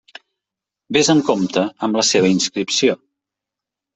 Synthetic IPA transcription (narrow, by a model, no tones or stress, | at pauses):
bezəŋkomt̪əəmləseβ̞əinskɾipsio